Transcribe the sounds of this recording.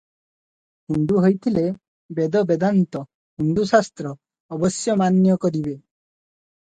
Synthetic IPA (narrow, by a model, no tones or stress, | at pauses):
hund̪uɦojt̪ʰile | bed̪ɔbed̪ant̪ɔ | hund̪usast̪ɾɔː | bɔsjɔmanjɔkɔɾibe